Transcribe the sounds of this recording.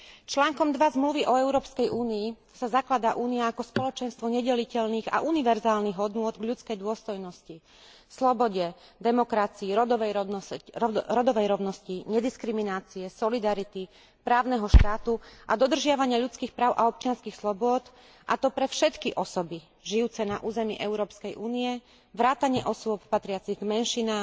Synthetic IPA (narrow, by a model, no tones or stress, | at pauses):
t͡ʃlaːŋkɔmd̪ʋazmluʋiʔɔɛʊɾɔːpskɛjʔuːnii | sazaklad̪aʔuːniaakɔspɔlɔt͡ʃɛnst̪ʋɔɲɛɟɛlicɛʎniːɣa̰ʔuniʋɛɾzaːlniɣɦɔd̪nʊɔd̪ɡʎut͡skɛjd̪ʊɔst̪ɔjnɔsci | slɔbɔɟɛ | d̪ɛmɔkɾat͡siiɾɔɔʋɛj | ɾɔd̪ɔʋɛjɾɔʊnɔsciɲɛd̪iskɾiminaːt͡siɛsɔlid̪aɾit̪i | pɾaːʊnɛɦɔʃt̪aːt̪uʔad̪ɔd̪r̩ʒɪaʋaɲɪaʎut͡skiːxpɾaːʊʔaɔp̚t͡ʃɪanskixslˠɔbʊɔd̪ | ʔa̰t̪ɔpɾɛfʃɛt̪kiʔɔsɔbi | ʒijuːt͡sɛnaʔuːzɛmḭʔɛʊɾɔːpskɛjʔuːniɛ | ʋɾaːt̪aɲɪɛʔɔsʊɔppat̪ɾɪat͡siɣɡmɛnʃinaː